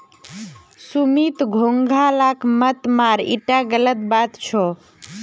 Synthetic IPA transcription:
sumit̪ɡʱoŋɡʱalakmət̪maɾḭʈaɡələt̪bat̪t͡ʃʰɔ

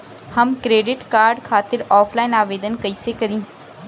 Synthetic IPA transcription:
hɐmkɾeːɖɪʈkaːɾɖkʰaːt̪ɪɾɔːfʰlaːɪnaːʋeːd̪ənkɐisekɐɾĩː

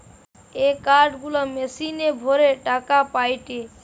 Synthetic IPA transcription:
eːkaːɾɖɡulaːmeːsiːneːbʱoːɾeːʈaːkaːpaːiʈeː

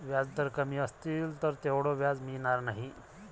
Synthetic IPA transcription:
ʋjad͡zd̪əɾkəmiːəst̪iːlt̪əɾt̪eʋɽɔʋjad͡zminaɾnaɦi

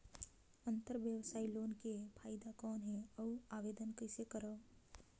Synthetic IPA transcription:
ənt̪əɾʋjəʋsaːiloːnkepʰaːɪd̪akɔːnɦɛɔuaːʋeːd̪ənkəɪsekəɾə

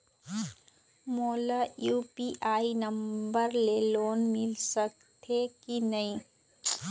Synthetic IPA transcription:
moːlajuːpiʔaːinɐmbəɾleːloːnmɪlsɐk̚ | t̪ʰekinɐĩ

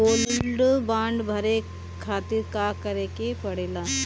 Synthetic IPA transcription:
oːlɪlɖbãːɳɖbʱɐɾe | kʰaːt̪ɪɾkaːkɐɾeːkepɐɽeːlaː

